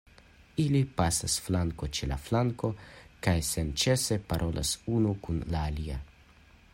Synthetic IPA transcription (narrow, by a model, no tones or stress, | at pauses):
ilipasasflaŋkɔt͡ʃɛla̰flaŋkɔkajsɛnt͡ʃɛsɛpaɾʔolʔa̰suːnukunlaːlija